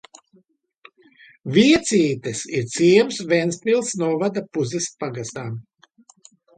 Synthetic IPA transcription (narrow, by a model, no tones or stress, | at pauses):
vʲiɛt̪sʲiːt̪ɛsiɾt̪siɛɛmsvɛnsʲt̪ilˠsnuɔvad̪apuzispaɡast̪aːm